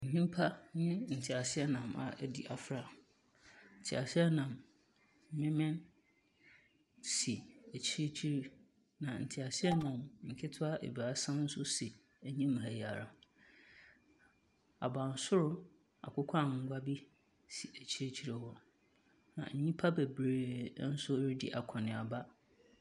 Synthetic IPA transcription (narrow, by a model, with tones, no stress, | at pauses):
ɲ̩˨ɲĩ˦m˦pʰa˦nɪ̃˦n̩˨tʰɪ˨a˨sɪ˦ɛ˦nã˨ma̰˨ʔɛ˦˨di˨ʔa˨fɾa˦˨ | n̩˨tʰɪ˨a˨sɪ˦ɛ˦nã˨m | m̩˦mɪ̃˦mɪ̃˦n | si˨æ˨t͡ɕʰi˦ɾe˦t͡ɕʰi˦ɾi˦ | nã˨n̩˨tʰi˨a˨sɪ˦ɛ˦nã˨mŋ̩˨kʰɪ˦tʰʊ˦a˦ʔḛ˨ba˨˦sã˦n̩˦sʊ˦si˨ | æ˨ɲĩ˦m˨ɦæ˨ja˨ɾa̰˨ | a̰˨ba˨n̩˨˦sʊ˦ɾʊ˦ | a̰˨kʷʊ˦kʷʰã˦˨ŋ̩˦ɡʷa˦bi˦ | si˨ʔæ˨t͡ɕʰi˦ɾe˦t͡ɕʰi˦ɾɪ˦hɔ˦ | nã̰˨ɲ̩˦ɲĩ˦pʰa˦bɛ˨bɾeː˨˦˨n̩˦sʊ˦ɾdḭ˨ʔa˨kʰɔ˨nɪ̃˨a˨ba˦